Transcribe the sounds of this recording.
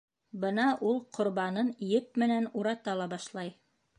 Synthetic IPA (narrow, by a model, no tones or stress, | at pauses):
bɤnɑʔulˠqʰŏɾβɑnɤnijɘp̚mɘ̆nænuɾɑt̪ɑlˠɑbɑʃlˠɑj